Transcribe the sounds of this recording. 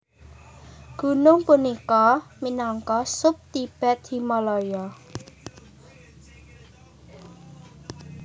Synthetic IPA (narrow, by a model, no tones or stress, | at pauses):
ɡ̥ṳnʊŋpunikɔminɔŋkɔsʊp̚t̪ib̥ɛ̤d̪i̤mɔlɔjɔ